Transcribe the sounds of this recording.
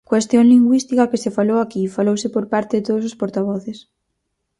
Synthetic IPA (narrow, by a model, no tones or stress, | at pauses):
kwest̪joŋliŋɡwist̪ikɐkɪsefalowakifalowsɪpoɾpaɾt̪eðet̪oðʊsospoɾt̪aβ̞ɔθes